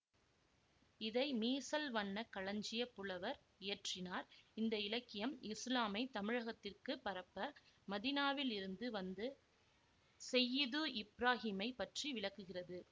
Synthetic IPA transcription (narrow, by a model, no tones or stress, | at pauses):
ɪðɐɪmiːsɐlʋɐnːɐkɐɭɐɲd͡ʒɪjɐpːɯɭɐʋɐɾ | ɪjɐʈrɪnaːɾɪnd̪ɐɪlɐkːɪjɐmɪslaːmɐɪt̪ɐmɪɻɐɣɐt̪ːɪrkɯpːɐɾɐpːɐmɐðinaːʋɪlɪɾɯnd̪ɯʋɐnd̪ɯ | sɛjːɪðɯʔɪbɾaːɦiːmɐɪpɐʈriʋɪɭɐkːɯɣɪrɐðɯ